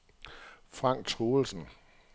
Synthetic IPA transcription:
fʁɑ̈ŋ̰ɡ̥t͡sʰʁoːl̩sn̩

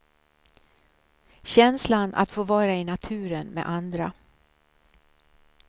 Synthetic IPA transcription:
ɕɛnslana̰t̪foːvɑːɾaɪnat̪ʰʉ̟ːɾənmḛʔand̪ɾa

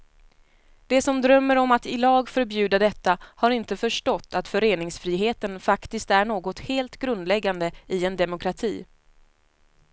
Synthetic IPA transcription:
d̪̥ɛsɔmd̪ɾœmːəɾɔmat̪ɪlɑːɡfœɾbjʉ̟ːd̪ad̪ɛt̪ːahaɾɪnt̪əfœʂʈɔt̪ːat̪fœɾeːnɪŋsfɾiːɦeːt̪ənfakt̪ɪskt̪æɳoːɡɔt̪heːlt̪ɡɾɵnd̪lɛɡːand̪əɪɛnd̪ɛmʊkɾat̪ʰiː

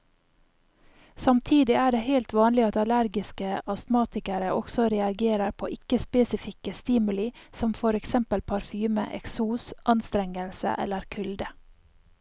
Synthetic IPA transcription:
sɑmt̪ʰiːd̪ɪæːɖeːheɪlt̪ʋɑːnlɪɑt̪ɑlæɾɡɪskəʔɑst̪mɑːt̪ɪkəɾəʔɔɡ̥sɔɾɛɑɡeːɾəɾpʰo̰ːʔɪkəspeːsɪfɪkəst̪iːmʉlɪsɔmfɔɾɛksɛmpəlpʰɑɾfyːmə̰ʔɛ̰ksuːsʔɑnst̪ɾɛŋəlsə̰ʔɛ̰ləɾkʰʉld̪ə

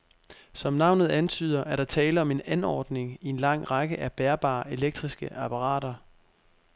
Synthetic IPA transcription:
sɒ̽mnɑ̈ʊ̰nð̞̩ˠænt͡sʰy̰ːð̞ˠɐʔæɐɾ̥ɑ̈t͡sʰɛːləɒ̽me̝nænɒ̰ːd̥ne̝ŋie̝nlɑ̈ŋ̰ʁɑ̈ɡ̥əʔæb̥eɐb̥ɑ̰̈ːe̝leɡ̥̚d̥ʁisɡ̥əʔɑpʰɑ̈ʁɑ̰̈ːɾɐ

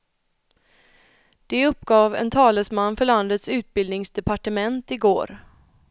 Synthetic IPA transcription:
d̪̥ɛɵpːɡɑːvɛ̰nt̪ʰɑːləsmanːfœɭand̪ət̪sʉ̟ːt̪̚bɪld̪nɪŋsd̪ɛpaʈəmɛnt̪ɪɡo̰ːɾ

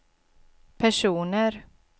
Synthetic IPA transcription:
pʰæʂuːnəɾ

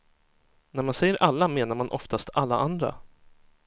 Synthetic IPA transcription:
næɾmansɛjːəɾʔalːameːnaɾmanʔɔ̰ft̪ast̪alːa̰ʔand̪ɾa̰

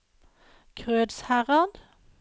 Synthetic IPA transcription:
kʰʁøːd̪shæʁɑnd̪̥

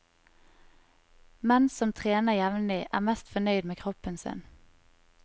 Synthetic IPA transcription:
mɛnsɔmt̪ʰʁeːnəjɛʋnlɪʔæ̰ːmɛst̪fɔnœʏd̪meːkʰʁɔpənsɪ̰n

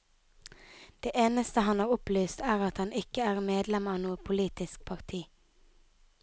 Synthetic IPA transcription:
d̪̥eːʔeːnəst̪əhɑnɑːʁʊplyːst̪æːʁɑt̪hɑnʔɪkəæːʁmeːd̪lɛmɑːnuːəpʰʊliːt̪ɪsk̚pʰɑʁt̪ʰiː

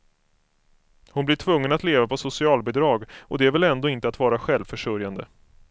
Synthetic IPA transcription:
hʊnblɪʈʰvɵŋːənat̪leːvapʰɔsʊsɪɑːlbɛd̪ɾɑːɡʔɔd̪ɛæɾvɛlɛnd̪oːɪnt̪əat̪vɑːɾaɧɛlvfœʂɵɾjand̪ə

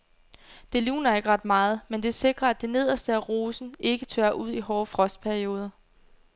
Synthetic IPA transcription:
d̥e̝lṵːnɐe̝ɡ̥əʁɑ̈d̥mɑ̈ːð̞̩ˠmend̥e̝se̝ɡ̥ʁɐæd̥e̝ne̝ð̞ˠɐsd̥əæʁo̝ːsn̩e̝ɡ̥ət͡sʰøːɐʔuð̰ˠiɦɒːfʁɒ̽sd̥̚pʰæɐio̝ːð̞ˠɐ

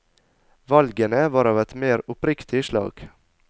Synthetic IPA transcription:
ʋɑlɡənəʋɑːɾɑːʋɛt̪meːɾʊpɾɪkt̪ʰɪʃlɑ̰ːɡ̥

